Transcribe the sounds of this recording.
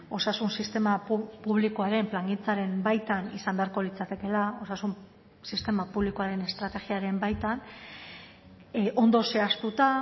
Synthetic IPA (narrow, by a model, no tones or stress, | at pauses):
o̞sasunsist̪e̞mapuβ̞likoaɾe̞mplaŋɡint͡saɾe̞mbajt̪anisand̪eaɾko̞lit͡sat̪e̞ke̞lao̞sasum | sist̪e̞mapuβlikoaɾe̞ne̞st̪ɾat̪e̞ɣiaɾe̞mbajt̪an | ʔo̞nd̪o̞se̞ast̪ut̪a